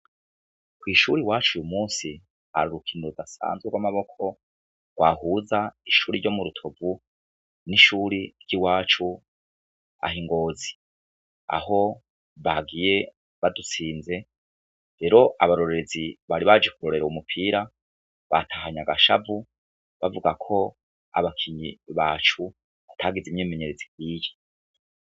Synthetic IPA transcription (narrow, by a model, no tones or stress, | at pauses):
kwiːʃuɾiwaːt͡ʃujumuːnsi | ha̰ɾuɾukʰiːndoɾudasa̰ːnzweɡwamaβo̞kʰo̞ | ɡɡwaɦuːzaiʃuːɾiɾɟo̞muɾutʰo̞vu | niʃuɾiɾɟ̥iwaːt͡ʃu | a̰hiŋɡo̞ːzi | a̰ho̞ | βaɡije̞ | βadut͡siːnze̞ | ɾe̞ɾo̞ʔa̰βaɾo̞ɾeɾeziβaɾiβad͡ʒekuɾo̞ɾe̞ɾaumupʰiːɾa | βatʰahaɲaɡaʃa̰vu | βavuɡakʰo̞ | a̰βakʰiɲiβaːt͡ʃu | βatʰaːɡizimɲiːmeɲe̞ɾeziɡwiːje̥